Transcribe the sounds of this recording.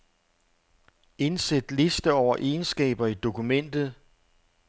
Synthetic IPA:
e̝nsed̥le̝sd̥əɒʊ̰ɐʔe̝ːnsɡ̥ɛ̰ːb̥ɐid̥o̝kumen̰d̥ð̞̩ˠ

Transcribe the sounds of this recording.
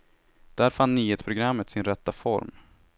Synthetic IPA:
d̪̥æɾfanːnyːeːt̪spʰɾʊɡɾamːət̪sɪnɾɛt̪ːafɔ̰ɾm

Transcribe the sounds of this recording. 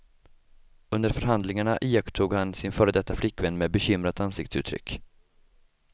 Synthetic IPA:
ɵnd̪əɾfœɾɦand̪lɪŋaɳaʔiːjakt̪ʰuːɡhansɪnfœːɾəd̪ɛt̪ːaflɪkːvɛnːmeːbɛɕʏmɾat̪ansɪkt̪sʉ̟ːt̪ʰːɾʏ̰kː

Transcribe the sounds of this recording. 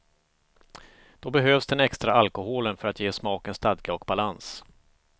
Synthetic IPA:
d̪̥ɔbɛɦøːvsd̪ɛnɛkst̪ɾaalkʊhoːlənfœɾat̪jeːsmɑːkənst̪ad̪ɡaɔkbalans

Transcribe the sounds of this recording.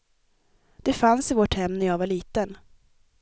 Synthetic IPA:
d̪̥ɛfansɪvoːʈhɛmːnæɾjɑːvaɭiːt̪ən

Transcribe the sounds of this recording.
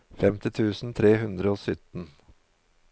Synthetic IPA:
fɛmt̪ɪt̪ʰʉːsn̩t̪ʰɾeːhʉnd̪ɾəoːsʏt̪n̩

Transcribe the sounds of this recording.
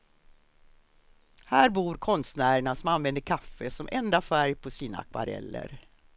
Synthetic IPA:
hæːɾbuːɾkʰɔnst̪næːɾəɳasɔmanvɛnd̪əɾkʰafːəsɔmʔɛnd̪afæɾjpʰɔsiːna̰kʰva̰ɾɛ̰lːə̰ɾ

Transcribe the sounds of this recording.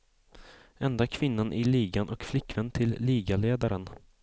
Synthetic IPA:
ɛnd̪akʰvɪnːanʔɪliːɡanʔɔkflɪkːvɛnt̪ʰɪlːiːɡaleːd̪aɾən

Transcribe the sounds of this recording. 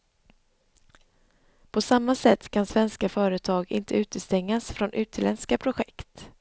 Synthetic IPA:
pʰɔsamːasɛt̪ːkʰansvɛnskafœːɾət̪ʰɑːɡɪ̰nt̪ʰəʉ̟ːt̪əst̪ɛŋːasfɾɔnʔʉ̟ːt̪lɛnskapʰɾʊɧɛkt̪

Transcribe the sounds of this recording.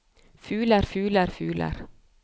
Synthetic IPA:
fʉːləɾfʉːləɾfʉ̰ːlə̰ɾ

